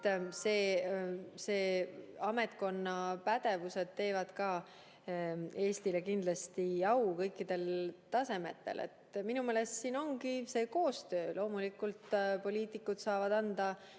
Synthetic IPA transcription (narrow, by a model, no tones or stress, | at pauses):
seː | se̞ːɑme̞t̪̚ko̞nːɑpæd̪̥e̞vuse̞d̪̥̚t̪e̞ːvɑd̪̥kɑː | e̞ːst̪ilekind̪̥lɑst̪iɑwkɤjkːid̪̥e̞lt̪ɑse̞me̞t̪ːˑe̞̰lḛt̪minumeːle̞st̪siːno̞ŋkise̞ːko̞ːst̪ø̞ːlʔo̞ːmulikult̪po̞lʲiːt̪ˑikːˑud̪̥sɑːvɑd̪ɑnd̪̥ɑ